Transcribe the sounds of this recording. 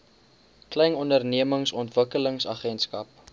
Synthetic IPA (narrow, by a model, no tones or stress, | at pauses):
klɛjnɔndərniəməŋsɔntvəkələŋsɐχɛnskɐp̚